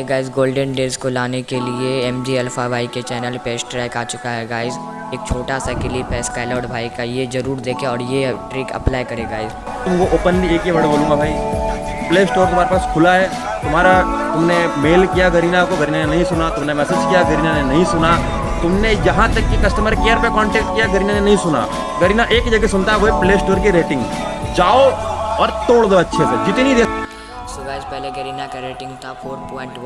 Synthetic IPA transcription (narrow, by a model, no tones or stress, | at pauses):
ɡaːɪzɡoːlɖənɖeːzkolaːnekelieɛmd͡ʒiɛlfaːʋaːiket͡ʃɛːnəlpeːʃʈɾɛːkaːt͡ʃʊkaɦɛɡaːɪz | eːk̚t͡ʃʰoːʈasakeliepɛːskaːlɔːʈbʱaːikajezɐɾuːɾd̪eːkʰẽɔːɾjeʈɾiːkɐ̰plaːjkɐɾeɡaːɪz | t̪ʊmkoʔoːpənbieːkiʋɐɽbolũmaɡaːĩpleːsʈoːɾt̪ʊm̤ɦaːɾepaːskʰʊlaɦɛː | t̪ʊmɦaːɾat̪ʊmnemeːlkijaɡɐɾiːnakoɡɐɾiːnanenɐɦĩsʊnat̪ʊmnemɛːseːd͡ʒkijaɡɐɾiːnanenɐɦĩsʊna | t̪ʊmnejɐɦãt̪ɐkːikɐsʈəməɾkejəɾpekɔːɳʈɛːk̚ʈkijaɡɐɾiːnanenɐɦĩsʊna̰ | ɡɐɾiːnaʔeːkd͡ʒɐɡesʊnt̪aɦɛʋoɦɛpleːsʈoːɾkiɾeːʈɪ̃ŋɡd͡ʒaːoɔːɾt̪oːɽd̪oɐtːʃʰesed͡ʒɪt̪nid̪eː | sʊɡaːd͡ʒpɛɦleɡɐɾinakaɾeːʈɪ̃ŋɡt̪ʰafʰoːɾpɔ̃ːɪ̃ɳʈ